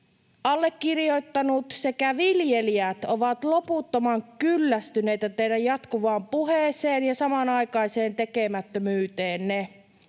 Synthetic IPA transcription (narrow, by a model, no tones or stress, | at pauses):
ɑlːekːirjojt̪ːɑnut̪se̞kæʋiljeliæt̪oʋɑt̪loput̪ːomɑŋkylːæst̪yne̞jt̪æt̪eidæjjɑt̪kuʋɑːmpuɦeːseːnjɑsɑmɑnɑjkɑiseːnt̪e̞kemæt̪ːømyːt̪e̞ːnne